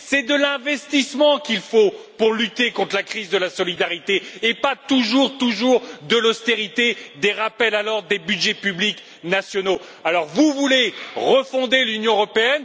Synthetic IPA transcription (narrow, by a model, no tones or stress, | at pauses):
sɛd̪əlɛ̃vɛst̪ismɑ̃kʲilfo | puʁlyt̪ekɔ̃t̪χlakχizd̪əlasɔlid̪aʁit̪eːpat̪uʒuʁt̪uʒuʁd̪əlɔst̪eʁit̪ed̪eʁapɛlalɔʁd̪ebyd̪ʒɛpyblik | nasjɔno | alɔʁvuvuleʁəfɔ̃d̪elynjɔ̃əʁɔpeɛn